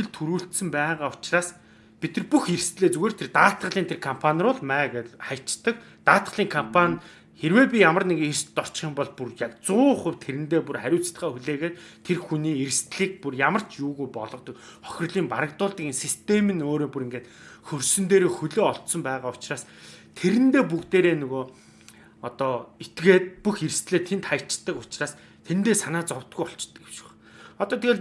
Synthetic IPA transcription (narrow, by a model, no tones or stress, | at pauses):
ɘ̆ɮt̪ʰuɾuːɬt̪sɘ̆mpæːʁaːʊ̥t͡ɕraːs | pit̪ɘ̆rpuxeɾ̆st̪ɮeːt͡suɣeːrt̪ʰert̪aːt̪ɢə̆ɮiːnt̪ʰerkʰampʰanʲrʊːɮmæːɣɮχajʰt͡ɕt̪ə̆k | t̪aːt̪ə̆ɮiːŋkʰampʰanʲ | xeɾweːpʲijamə̆rnekirst̪ːɔr̥t͡ɕχiːmpɔɮpurjakt͡sʊːχə̆wt̪ʰeɾɘ̆nt̪eːpurχæɾʲʊːt͡sɮə̆χaːxuɮeːɣeːrt̪ʰerxuniːeɾ̆st̪ɮiːk̚purjamə̆r̥t͡ɕjuːɣujpɔɮɞ̆qt̪ɞ̆k | χɔ̥xʲɪ̆rɮiːmpaɾə̆kt̪ʊːɮt̪ə̆kinsist̪ʰemĭnoːɾoːpuɾeŋɡeːt̪xɵrsɵ̆nt̪eːɾoːxɵɮoːɔɮt̪sɞ̆mpæːʁaːʊt͡ɕraːst̪ʰeɾɘ̆nt̪eːp̬ukt̪eːɾeːnɵɣoː | ɔt̪ɔːet̪ɡeːt̪̚puxeɾ̆st̪ɮeːt̪ʰent̪χajət͡ɕɪt̪ːə̆kʊt͡ɕraːs | t̪ʰent̪eːsanaːt͡sɔwt̪̚ɡujɔɬt͡ɕɪ̥t̪ːə̆kewʃɪ̥̆χ | ɔt̪ɔːt̪ʰeɣeː